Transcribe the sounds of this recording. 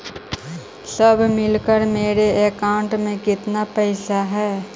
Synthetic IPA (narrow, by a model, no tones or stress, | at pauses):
səbʱmɪlkəɾmeːɾeeːkaːɳʈmẽkɪt̪napɛːsaɦɛː